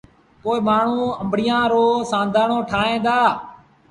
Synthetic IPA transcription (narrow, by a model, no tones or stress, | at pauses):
poːɪːmaːɳ̤ũːəmbʱɽɪjãːɾoːsãːnd̪ʱaːɳoːʈʰaːɦẽːd̪aː